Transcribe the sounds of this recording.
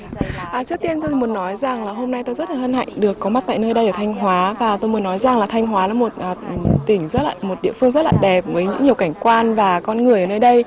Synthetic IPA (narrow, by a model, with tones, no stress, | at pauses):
ʔəː˨˩t͡ɕɨ˦˥ək̚t̪i˧ənt̪o˧jmu˨˦ənːɔ˨˦jza˨˩ŋlaː˨˩ɦo˧mna˧jt̪o˧jzə˦˥t̚laː˨˩hə˧nha̰˧˨jŋ̟ɗɨ˨˩əkːɔ˨˦ma˦˥t̚t̪a̰ː˧˨nəː˧jɗə˧jʔəː˧˩t̪ʰa˧jŋ̟ɦwaː˨˦vaː˨˩t̪o˧jmu˨˦ənːɔ˨˦jza˨˩ŋlaː˨˩t̪ʰa˧jŋ̟ɦwaː˨˦laː˨˦mo˨˩t̚ʔəː˨˩˨t̪ï˧˩ŋ̟zə˦˥t̚laː˨˩mo˨˩t̚ɗḭ˧˨əfɨ˧əŋzə˦˥t̚laː˨˩ɗɛ˨˩p̚vəː˨˦jɲɨ̰˧˥ŋi˨˩əwka˧˩jŋ̟kwaː˧nvaː˨˩kɔ˧nŋɨ˨˩əjəː˨˩nəː˧jɗə˧j